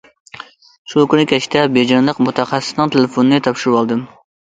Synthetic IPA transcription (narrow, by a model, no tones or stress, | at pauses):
ʃukʲʰynɪkʲɛʃi̥t̪ʰɛbed͡ʒɑɾlˠəqmut̪ʰɑχɑsːɪ̥snɨŋt̪ʰelɪfonɨnɨt̪ʰɑpʃuɾɨwɑlˠd̪ɨm